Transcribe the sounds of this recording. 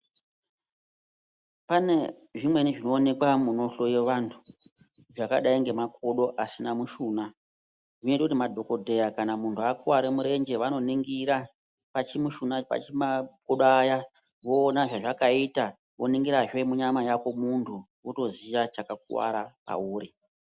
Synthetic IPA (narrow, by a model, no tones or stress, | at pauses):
pane̞ | ʐimwe̞niʐino̞ːne̞kwamuno̞ɬo̞jeʋantʰu̥ | ʐakaɗaiŋɡe̞makʰo̞ɗo̞ʔasinamuʃuːna | ʐino̞itakutimadʱo̞ko̞dʱe̞jakanamuntʰuakuwaɾemuɾe̞nd͡ʒe̞ʋano̞niŋɡiɾa | pat͡ʃimuʃunapa̰t͡ʃimap̚koɗajaʋo̞ːnaʐaʐakaita | ʋo̞niŋɡiɾaʐe̞muɲamajako̞muntʰu | uto̞ziʋat͡ʃakak̚ṵwa̰ɾapa̰uːri